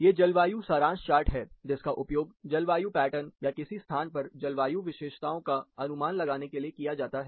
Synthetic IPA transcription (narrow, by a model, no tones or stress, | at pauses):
jeːd͡ʒɐlʋaːjusaːɾãːnʃt͡ʃaːɾʈɦɛːd͡ʒɪskaʔʊpjoːɡd͡ʒɐlʋaːjupɛːʈənjakɪsist̪ʰaːnpɐɾd͡ʒɐlʋaːjuʋɪʃeːʃt̪aːõkaɐnʊmaːnlɐɡaːnekeliekijad͡ʒaːt̪aɦɛː